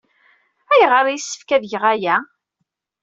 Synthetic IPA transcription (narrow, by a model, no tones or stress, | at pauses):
æjʁəɾˤjisːə̥fkæðʝəʁæjæ